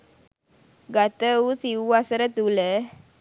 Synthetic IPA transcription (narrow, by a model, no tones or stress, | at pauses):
ɡat̪əusiuasəɾət̪ulə